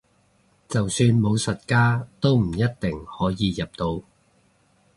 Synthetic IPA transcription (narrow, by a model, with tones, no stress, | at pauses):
t͡sɐ˨wsyː˧nmo˨˧wsɐ˨t̚kaː˥t̪o˥wm̩˨˩jɐ˥t̚t̪ɪ˨˩ŋhɔː˨˥jiː˨˧jɐ˨p̚t̪o˧w